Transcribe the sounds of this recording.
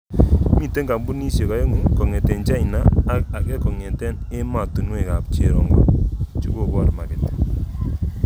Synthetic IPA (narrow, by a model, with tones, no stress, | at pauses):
mi˦˨te˦ŋɡa˨mbu˦ni˦sje˨ka˨˦jo˦ŋɪ˦kɔ˨ŋɛ˨tɛ˨nt͡ʃa˦i˨naː˦k̚a˨kɛ˦kɔ˨ŋɛ˨tɛ˦n | e˦ma˨tu˨nwe˨ka˨p̚t͡ʃe˨ɾɔ̰˨ŋɡɔ̰˨t͡ʃu˦ko˨ka˨ɾma˨kɪ˨t